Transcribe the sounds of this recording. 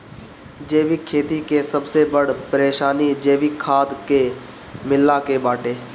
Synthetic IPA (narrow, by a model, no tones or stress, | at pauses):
d͡ʒeːʋikʰːeːt̪ikesəbsebəɽpəɾeːʃaːnid͡ʒeːʋikʰːaːd̪keː | mɪlːaːkeːbaːʈeː